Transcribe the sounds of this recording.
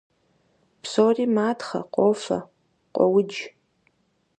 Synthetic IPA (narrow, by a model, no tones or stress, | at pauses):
pʰsoriːmaːtχɐ̰qʷʼoːfɐ̰ | qʷʼɔwʊd͡ʒ